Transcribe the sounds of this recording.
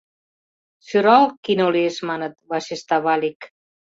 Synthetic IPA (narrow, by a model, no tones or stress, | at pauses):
syɾalkinoliesmanət̪βaʃest̪aβalik